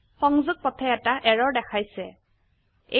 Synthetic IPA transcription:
xɔŋzʊɡ̚pɔtʰɛɛtaʔɛɹɔɹdɛkʰajsɛ | e

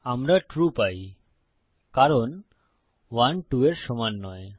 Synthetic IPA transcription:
amɾaʈɾupaj | kaɾon | wanʈueɾʃɔmanːɔe

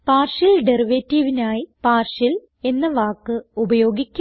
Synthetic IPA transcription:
paːrʂɐlɖeriʋeːtːiːʋinaːjipaːrʂɐl | e̞nːɐʋaːkːɨubɐjo̞ːɡikʲː

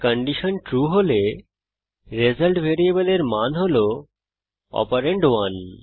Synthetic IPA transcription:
kəɳɖiʃənʈɾuɦole | ɾezəlʈbʱeɾijebəleɾmanɦolo | ɔ̰paɾeɳɖwan

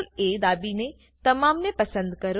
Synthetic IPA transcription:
leːd̪aːbinẽ | t̪ɐmaːmnepɐsə̃nd̪kɐɾ

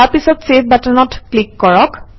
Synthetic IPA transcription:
aɹpisɔtsep̚ʰbatɔnɔtklikːɔɹɔk

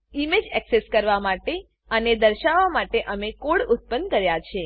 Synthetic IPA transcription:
imed͡ʒɛkseskəɾʋamaʈe | əned̪əɾʃaʋamaʈeʔəmekoɽʊt̪̚pənkəɾjat͡ʃʰe

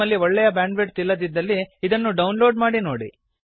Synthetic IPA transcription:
ɐlːiɔɭːɛjɐbaːɳɖʋeʈ̚t̪ilːɐd̪id̪ːɐlːiːd̪ɐnːuɖɐwnlo̞ːɖmaːɽino̞ːɽḭ

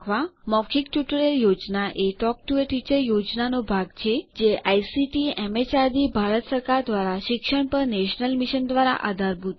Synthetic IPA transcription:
ʋamɔkʰikʈjuʈəɾeljod͡ʒnaʔeʈɔk̚ʈueʈit͡ʃəɾjod͡ʒnanobʱaɡt͡ʃʰed͡ʒeʔajsiʈiɛmet͡ʃaɾd̪ibʱaɾət̪səɾkaɾd̪ʋaɾaʃɪkʃəɳpəɾneʃnəlmiʃənd̪ʋaɾa̰ʔa̰d̪ʱaɾbʱut̪̚

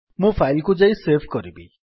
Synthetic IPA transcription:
mũpʰajlkud͡zejsepʰkɔɾibḭ

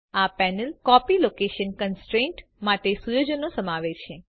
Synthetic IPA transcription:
apɛnəlkɔpilokeʃənkənsʈɾẽɳʈ | maʈesujod͡ʒənːosəmaʋet͡ʃʰe

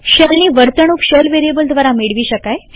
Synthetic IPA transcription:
ɕelniːʋəɾt̪əɳ̃uːkɕelʋeɾijebəld̪ʱʋaɾamiɽʋiːɕəkaj

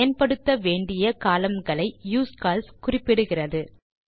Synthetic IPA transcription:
jɐnpɐɽɯt̪ːɐʋeːɳɖɪjɐkaːlɐmɡɐɭɐɪjuːskaːlskʊrɪpːɪɽɯɣɪrɐðɯ

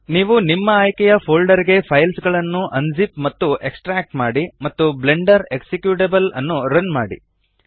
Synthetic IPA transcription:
niːʋunimːɐːjkɛjɐpʰoːlɖɐɾiɡe̞pʰɐjlsɡɐɭɐnːuʔɐnd͡ʒipmɐt̪ːue̞ksʈɾaːk̚ʈmaːɽimɐt̪ːuble̞ɳɖɐɾe̞ksekjuʈebɐlɐnːuɾɐnma̰ːɽḭ

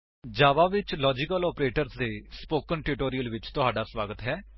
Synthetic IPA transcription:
d͡ʒaːʋaːʋɪt͡ʃlɔːd͡ʒɪkəlɔːpɾeːʈəɾsd̪eːspoːkənʈɪʈoːɾiəlʋɪt͡ʃt̪ʊɦaːɖaːsʋaːɡət̪ɦɛː

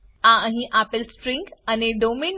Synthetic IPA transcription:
ãə̃ɦĩʔaːpɪlsʈɾɪ̃ŋɡɐneɖoːmeːn

